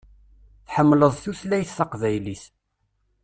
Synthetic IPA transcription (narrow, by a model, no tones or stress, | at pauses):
θħəmːləðˤθuθlæjθːɑqvæjliθ